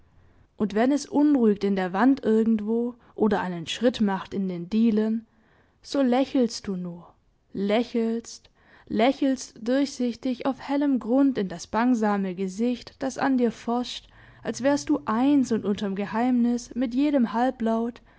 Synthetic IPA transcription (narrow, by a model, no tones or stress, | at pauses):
ʔʊntv̥ɛnɛsʔʊnʁuːɪktɪndeːɐvantʔɪɐɡŋ̩tv̥oː | ʔoːdɐʔaɪnənʃʁ̥ɪtmaχtɪndeːndiːlən | z̥oːlɛçl̩st̚d̥uːnuːɐ | lɛçlst | lɛçl̩std̥ʊɐçz̥ɪçtɪçaʊfhɛləmɡʁʊntɪndasb̥aŋzaːməɡəzɪçtd̥asa̰ndiːɐfɔɐʃt | ʔalsv̥ɛːɐst̚d̥uːʔaɪnsʊntʔʊntɐmɡəhaɪmnɪsmɪtjeːɾəmhalplaʊt